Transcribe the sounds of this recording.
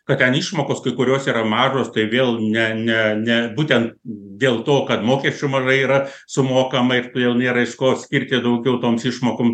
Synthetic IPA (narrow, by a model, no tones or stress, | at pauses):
kɐt̪tʲɛniːʃmoːkoːskɐɪkʊɾʲoːsiːɾɐmɑːʒoːst̪ɐɪʋʲeːlˠnʲɛnʲɛnʲɛbuːt̪ʲɛnt̪d̪ʲeːlˠt̪oːkɐt̪moːkʲɛsʲt͡ʃʲʊmɐʒɐɪiːɾɐ | sʊmoːkɐmɐɪrt̪ʋʲeːlˠnʲeːɾɐɪʃkoːsʲkʲiɾʲt̪ʲɪd̪ɐʊɡʲɛʊt̪oːmsiːʃmoːkoːm